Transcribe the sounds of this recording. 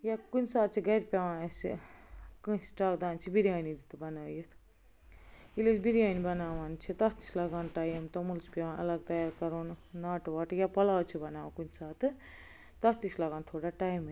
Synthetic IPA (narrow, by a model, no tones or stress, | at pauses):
jakunsaːt̪̚t͡ʃʰiɡɐjɾpʲawãːsḭkɨsʈakd̪aːnt͡ʃʰibiɾijaːnid̪it̪bɐnaːjet̪ʰ | ilesbiɾijaːnibɐnaːwant͡ʃʰit̪ɐst̪i̥sʰlaɡaːnʈajemt̪ɐmulsʰpʲawãːnɐ̰lɐɡt̪ɐjaːɾkɐɾoːnnaʈwaʈjapɐlawt͡ʃʰubɐnaːwkunsaːt̪ʰɨ | t̪ɐst̪islaɡaːnt̪ʰoːɽaʈajm